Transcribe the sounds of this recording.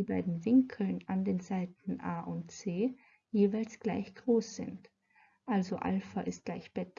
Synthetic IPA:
iːbaɪdn̩vɪŋkʰl̩nandeːnzaɪtn̩ʔaːʔʊntt͡seː | jeːvaɪlsɡ̥la̰ɪçɡ̥ʁoːsz̥ɪ̰nt | ʔalzoʔa̰lfɐʔɪst̚ɡ̥laɪçb̥ɛt

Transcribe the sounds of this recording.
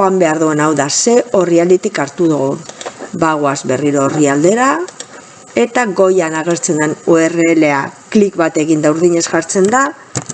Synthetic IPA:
ambe̞aɾðue̞nawðase̞o̞riald̪it̪ikaɾt̪uðoɣonbaɣ̞oazbe̞riɾo̞ːriald̪e̞ɾa | e̞t̪aɡo̞janaɣe̞ɾt͡se̞nd̪enue̞reːle̞aklikβat̪e̞ɣind̪awɾðiɲe̞sʝaɾt͡se̞nd̪a

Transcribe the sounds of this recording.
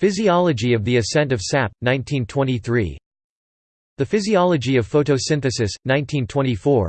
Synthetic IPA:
fɪziɑlˠəd͡ʒiʌvðiɨsɛ̃ntʌv̥sæp̚nãɪ̃ntʰĩntʰw̥ɛ̃ɾ̃iθɹḭ | ðɨfɪziɑlˠəd͡ʒiʌv̥foʊɾoʊsɪ̃nθɨsɨsnãɪ̃ntʰĩntʰw̥ɛ̃ɾ̃ifɔɹ

